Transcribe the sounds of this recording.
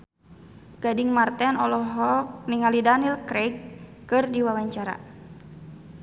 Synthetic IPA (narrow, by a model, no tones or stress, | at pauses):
ɡ̥adiŋmart̪ɛnɔlɔɦɔk̚niŋalidanilkɾɛɡɨrdiwawaɲt͡ʃaɾa̰